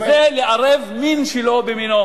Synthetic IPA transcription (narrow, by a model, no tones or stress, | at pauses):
zeleʔaʁevminʃelobemino